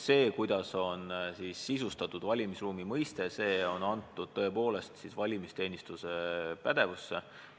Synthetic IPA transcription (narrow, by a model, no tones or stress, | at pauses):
se̞ːkujd̪̥ɑso̞nsisːisust̪ɑt̪ːˑud̪vɑlʲimisruːmimɤjst̪e̞se̞ːo̞nɑnt̪ːˑud̪̥̚t̪ɤ̞epo̞ːle̞st̪sisvɑlʲimist̪e̞ːnist̪use̞pæd̪̥e̞vusːe̞